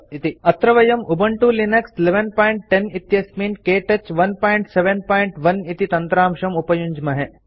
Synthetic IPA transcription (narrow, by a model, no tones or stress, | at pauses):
it̪iɐt̪ɾɐʋɐjɐmubɐɳʈulinɐksleʋenpaːiɳʈːenit̪jɐsmiːnkeːʈɐt͡ʃʋɐnpaːiɳʈseʋenpaːjɳʈʋɐnit̪it̪ɐnt̪ɾaːmʃɐmupɐjuɲd͡ʒmɐɦe